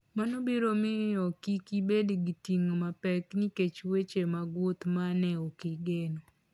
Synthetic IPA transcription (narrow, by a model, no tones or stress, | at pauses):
manobiɾomɪjɔkikibediɡitiŋmapɛkniket͡ʃwet͡ʃemaɡwot̪manɛokiɡeno